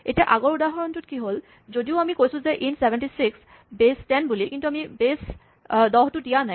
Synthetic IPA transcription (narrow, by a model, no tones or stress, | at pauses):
ḛʈaʔaɡoɾud̪aɦɔɾontuʈkiɦol | d͡ʑod̪ioamikojt͡ɕʰuzeʔinsebeɳʈisiks | besʈɛnbulikint̪uamibes | d̪ɔɦt̪uʈianɛ